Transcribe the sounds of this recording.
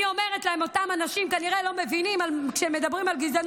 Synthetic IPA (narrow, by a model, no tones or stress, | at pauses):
io̞me̞ʁetlahe̞mo̞tamanaʃimkaniʁe̞lo̞me̞vinimalkʃeme̞d̪abʁimalɡizan